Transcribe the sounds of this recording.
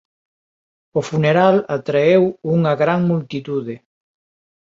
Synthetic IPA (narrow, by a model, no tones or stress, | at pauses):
ofuneɾalat̪ɾeewuŋɐɣɾaŋmult̪it̪uðɪ